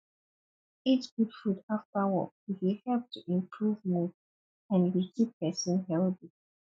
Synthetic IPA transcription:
itt͡ʃɡ̥ud̥fɹutaftawɔ̰k̚itwihɛlp̚tʰuʔĩmpʰɹuvmud | ãnɹikʰipːɛsə̃nhɛldi

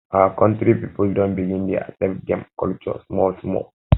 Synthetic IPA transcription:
ʔaakɔ̃ntɾipipuldɔ̃nbiɡĩndɛa̰sɛ̃m̚dɛ̃mkɔ̰lt͡ʃɔ̰smɔlsmɔ̰l

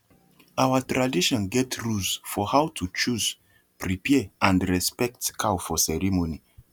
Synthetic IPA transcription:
awətɹadiʃɔ̃nɡɛtɹulsfɔhawtʰut͡ʃuz | pʰɹipʰɛãndɹɛspɛk̚tkʰawfɔsɛɹimoni

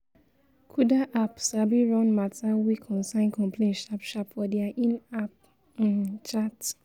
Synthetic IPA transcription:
kʰudaʔapsabiɹɔ̃nmatawikʰɔ̃nsãɪ̃nkɔ̃mpʰlẽnʃapʃapfɔdɛaʔĩnap̚ | ãnt͡ʃat

